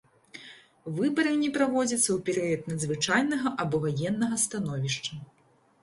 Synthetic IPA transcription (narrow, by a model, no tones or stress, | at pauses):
vɨbɐɾɨnʲɛpɾavɔd͡zʲɐt̪sːɐwpʲɛɾɨjɐt̪nɐd̪zvɨt͡ʂajnɐɣɐʔɐbɔvajɛnːɐɣɐst̪anɔvʲiʂt͡ʂɐ